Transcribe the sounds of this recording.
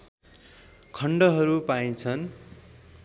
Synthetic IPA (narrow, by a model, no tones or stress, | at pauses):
kʰʌɳɖʌɦʌɾupaĩt͡sʰʌn